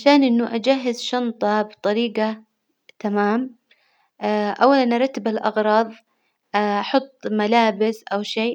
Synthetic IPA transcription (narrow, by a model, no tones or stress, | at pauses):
ʕaʃaːnʔɪnːuʔad͡ʒaɦːɪzʃɑnt̪ˤɑbɨt̪ˤɑɾiːqa | t̪amaːm | ʔawːalanʔɑɾˤɑt̪ːɪbalʔɑ̰ɣɾˤɑːðˤ | ɑħʊt̪ˤːmalaːbɪsʔawʃeː